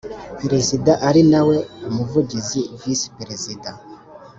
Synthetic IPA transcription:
pɾezidãʔaɾinawɛmuvudizivispɾezidã

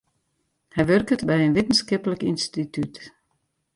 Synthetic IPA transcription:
hɛjʋørkətbɛjənʋɪtən̩skɪpələkinstityt

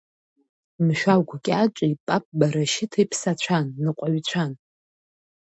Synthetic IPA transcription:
mʃᶣawkʷʰkʲʼat͡ʃʷʼaipʼapʼbaɾaʃɪtʰaipʰsat͡ɕʷʰanːɨqʷʼaɥt͡ɕʷʰan

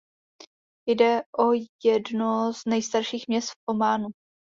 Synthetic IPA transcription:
jdɛʔojɛdnoznɛjst̪aɾʃiːxmɲɛst̪fʔomaːnu

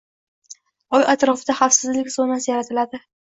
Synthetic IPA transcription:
ɒjat̪ɾɒfɪd̪aχafsɪzlɪkʲsɒnasɪjaɾat̪ʰɪlad̪ɪ

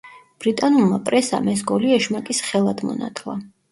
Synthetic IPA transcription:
b̥ɾit̪ʼanulˠmapʼɾɛsa̰mɛs̬ɡɔliɛʃmakʼisχɛlˠad̪mɔ̰na̰t̪ʰlˠa

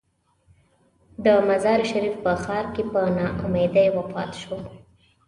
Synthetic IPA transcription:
d̪əmazɑɾʃaɾifpəxɑɾkepənɑʔʊmed̪ajwəpɑ̰t̪e̥ʃo

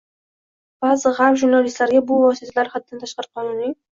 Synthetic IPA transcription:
b̥azɨʁafʒuɾnalist̪laɾɡʲabʊvɒsit̪ʰalaɾhad̪̚ːant̪ʰaʃqɑɾqʰɒnunɪ

